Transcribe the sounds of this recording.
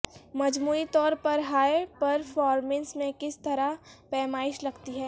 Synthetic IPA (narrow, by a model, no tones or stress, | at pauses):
mɐd͡ʒmuːit̪ɔːɾpɐɾɦaːəɾpɐɾfɔːɾmɛ̃nsmẽkɪst̪ɐɾapɛːmaːɪʃlɐɡt̪iɦɛː